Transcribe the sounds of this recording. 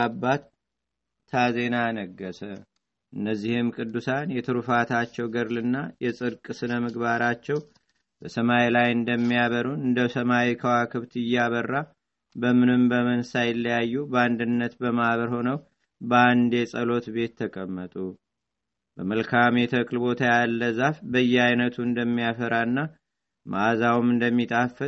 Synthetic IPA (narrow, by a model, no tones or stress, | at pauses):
abːat̪ʰː | aze̞nanəɡːəsə | ʔɨnːəzːihɪmkʼɨd̪ːusanjɛt̪ʰɨɾufat̪ʰat͡ʃːɛwɡəɾlɨnːajɛsʼɨɾkʼɨsɨnəmɨɡβaɾat͡ʃːɛw | b̥əsəmailajɨnd̪əmːijaβəɾunɨnd̪əsəmawikʰəwakʰɨβt̪ɪjːaβərːa | bəmɨnɨmbəmənsajɪlːəjajːubəand̪ɨnːət̪bəmaβəɾho̞nəw | bəand̪e̞sʼəlo̞t̪be̞t̪ʰːəkʼəmːət̪ʼu | bəməlkʰamjɛt̪ʰəkʼlɨbo̞t̪ʰajalːəzafbəjːɛajnət̪ʰuɨnd̪əmːijafəɾaɨnːa | mʔa̰zawumɨnd̪əmːit̪ʼafɨ